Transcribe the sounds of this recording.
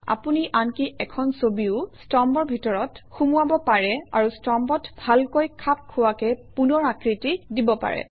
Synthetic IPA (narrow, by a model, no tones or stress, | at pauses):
a̰puniʔankiʔɛkʰɔnsobiʊstɔmbɔɹbʱitɔɹɔtxumuabɔpaɹɛa̰ɹustɔmbɔtbʱalkojkʰap̚kʰːʊwakɛpunɔɹakɹitidibɔpa̰ɹɛ̰